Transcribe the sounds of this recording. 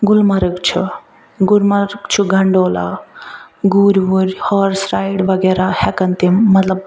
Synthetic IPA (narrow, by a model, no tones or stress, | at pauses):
ɡulmɐɾɨkt͡ʃʰṵ | ɡuɾmɐɾkt͡ʃʰuɡʱɐɳɖoːla̰ | ɡuɾʋuɾʲhɔɾsɾaːiɽʋɐɡeɾahɛkɐnt̪imːɐt̪lɐb̚